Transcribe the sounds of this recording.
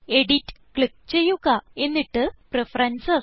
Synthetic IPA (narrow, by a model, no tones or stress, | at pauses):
e̞ɽitːɨ̥kɭik̚t͡ɕe̞jːuɣɐe̞nːiʈːɨprefɐrɐnsɐs